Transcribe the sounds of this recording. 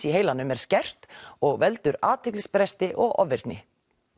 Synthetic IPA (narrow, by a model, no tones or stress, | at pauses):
iɦeːjlanːʏmɛɾ̥scɛr̥t̪ɔɣvɛlt̪ʏɾaːt̪ʰɪklɪspɾɛst̪ɪʔɔɣɔ̰vɪɾt̪nɪ̰